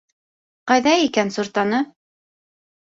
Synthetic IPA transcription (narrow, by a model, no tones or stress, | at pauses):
qɑjðɑikænsuɾt̪ɑnɤ